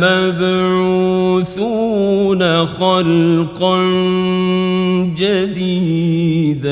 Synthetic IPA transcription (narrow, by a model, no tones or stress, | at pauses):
mabɾɾuːθuːnaxɑlqan | d͡ʒad̪iːd̪